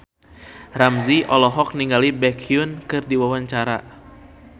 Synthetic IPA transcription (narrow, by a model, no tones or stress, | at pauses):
ramziʔɔlɔɦɔk̚niŋɡalibɛkʰiunkɨrdiwawaɲt͡ʃaɾa